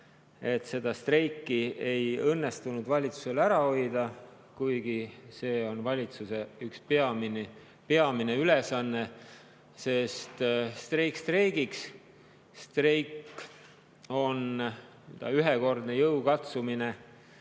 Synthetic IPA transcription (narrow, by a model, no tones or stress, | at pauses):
e̞t̪se̞d̪̥ɑst̪re̞jkːie̞jɤnːe̞st̪unud̪vɑlʲit̪su̥se̞læɾɑo̞jd̪̥ɑ | kujɡ̥ise̞ːo̞nvɑlʲit̪suseykspeɑmin | peɑmineylesɑnːe̞ | se̞st̪st̪rejkst̪rejɡiks | st̪rejkː | o̞n | d̪̥ɑ̰yɦeko̞rd̪̥nejɤwkɑt̪sumine̞